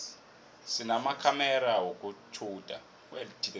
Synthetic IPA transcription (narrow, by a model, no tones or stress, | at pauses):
sinamakʰamɛɾawok̬ʼut͡ʃʰud̥ʱa | welitʰil